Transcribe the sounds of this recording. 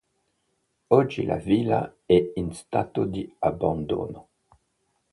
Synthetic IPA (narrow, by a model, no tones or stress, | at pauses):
ɔd͡ʒila̰vila̰ɛinst̪at̪od̪iaband̪o̰no